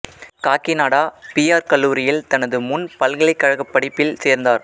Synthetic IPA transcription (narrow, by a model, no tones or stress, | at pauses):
kaːkɪnaːɽaːpijaːɾkɐlːuːɾɪjɪlt̪ɐnɐðɯmʊnpɐlɣɐɭɐɪkːɐɻɐɣɐpːɐɽɪpːɪlseːɾnd̪aːɾ